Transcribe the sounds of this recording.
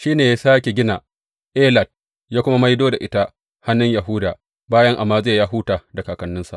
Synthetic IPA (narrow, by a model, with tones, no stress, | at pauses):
ʃiː˦neː˨ja˦saː˦kʲe˨ɡʲɪ˦na˨ | ʔeː˦lɐ˨d̚ | jaː˦kʷʊ˦ma˦ma˦jdoː˦da˨ʔɪ˦ta˦ | ha˦nːʊ˦ɲja˨ɦʊ˦daː˨ | baː˦jɐ˦ŋʔa˨mːaː˦zeː˦˨jaː˦ɦuː˦taː˨da˨kaː˨kɐ˨nːɪ˦nsa̰˨ʔ